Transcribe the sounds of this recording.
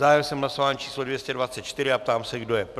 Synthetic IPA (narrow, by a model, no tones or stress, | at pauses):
aːjɛmsɛmɦlasovaːnt͡ʃiːslodvjɛscɛdvat͡sɛt̪̚t͡ʃt̪ɪɾɪap̚t̪aːmsɛɡdo̞jɛp